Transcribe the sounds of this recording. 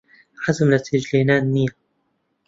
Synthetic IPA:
ħazʊmlat̪ɪd͡ʒleːnaːnmiːa

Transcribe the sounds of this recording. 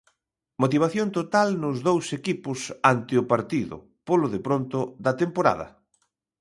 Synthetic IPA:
mot̪iβaθjont̪ot̪alnʊzðowsekipʊsant̪ɪʊpaɾt̪iðʊ̰ | polʊðepɾont̪ʊðɐt̪empoɾa̰ðɐ̰

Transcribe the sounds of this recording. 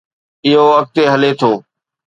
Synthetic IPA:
ɪɦoək̚t̪eːɦəleːt̪ʰoː

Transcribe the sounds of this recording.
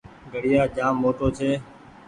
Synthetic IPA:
ɡəɽɪjaːd͡ʒaːmːoːʈoːt͡ʃʰeː

